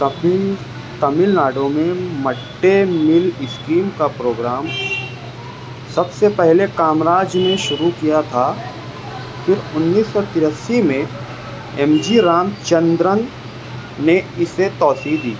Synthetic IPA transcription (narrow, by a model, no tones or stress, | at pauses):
t̪ɐmɪlnaːɖõmẽmɐʈːemɪlɪskɾiːmkapɾoːɡɾaːm | sɐbsepɛɦlekaːmɾaːd͡ʒmẽʃʊɾukijat̪ʰa | fɪɾʊnːiːsːɔt̪ɪɾəsːimẽ | ɛmd͡ʒiɾaːmt͡ʃə̃nd̪ɾən | neɪset̪ɔːsid̪iː